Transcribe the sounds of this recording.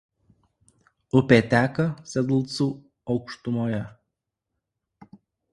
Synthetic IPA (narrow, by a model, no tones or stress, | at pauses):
ʊpʲet̪ʲæːkɐsʲɛd̪lˠt̪su | ɒʊkʃt̪ʊmoːjɛ